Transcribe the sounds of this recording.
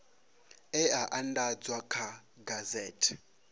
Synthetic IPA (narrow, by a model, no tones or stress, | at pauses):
ɛaʔandad͡zwakʰa | ɡazɛːtʰɛ̥